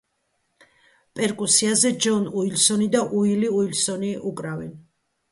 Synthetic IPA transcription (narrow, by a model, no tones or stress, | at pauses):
pʼɛɾkʼusiazɛd͡ʒɔnuilsɔnid̪aʔuiliuilsɔniʔukʼɾavɛn